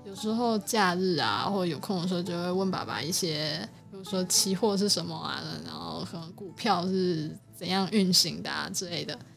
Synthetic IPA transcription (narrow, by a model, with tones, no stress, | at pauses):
jo˨˩ʊʂɻ̩˧˥xo˥˧ʊt͡ɕja˥˧ɻ̩˥˩a̰˨xwɔ˥˩ə˩jo˨˩ʊkʰŋ˨˩ʂwɔ˥˧t͡ɕjo˥˧ʊxwe˥˧ɪwə˥˩npa̰˨˥ba̰˨˩i˥˩ɕjɛ˥pu˧˥˩u˧˥˩ʂwɔ˥t͡ɕʰi˧˥xwɔ˥˧ʂ̬ɻ̩˥˩ʂə˧˥nmə˧a̰˨˩ə˧˩ɻa̰˧˥nxo̰˥˧ʊkʰɤ˨˩nə˧˥ŋku˨˩pʰjɑ˥˧ʊʂɻ̩˥˩t͡sə˨˩njɑ˥˧ŋy˥˩nɕi˧˥ŋd̪ə̰˨ʈ͡ʂɻ̩˥˧le˥˩ɪd̪ə˩